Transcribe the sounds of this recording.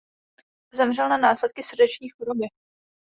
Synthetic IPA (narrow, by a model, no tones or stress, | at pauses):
zɛmr̝ɛlnanaːslɛt̪̚kɪsr̩dɛt͡ʃɲiːxoɾobɪ